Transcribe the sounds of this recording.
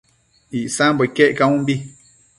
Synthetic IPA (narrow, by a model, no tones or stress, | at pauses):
iʔsãmbɔikɛʔkawũmbi